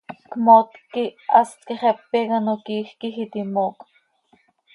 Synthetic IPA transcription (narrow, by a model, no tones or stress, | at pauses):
kmot̪kiʔɑst̪kiχɛpːekɑnokiːxkixit̪imoːk